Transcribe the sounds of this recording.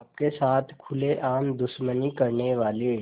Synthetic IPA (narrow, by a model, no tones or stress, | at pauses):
ɐp̚kesaːt̪ʰkʰʊleʔaːmd̪ʊʃmənikɐɾneʋaːle